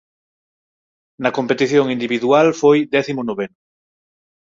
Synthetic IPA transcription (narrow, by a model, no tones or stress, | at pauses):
nɐkompet̪iθjoŋind̪iβiðualfojd̪ɛθimonoβenʊ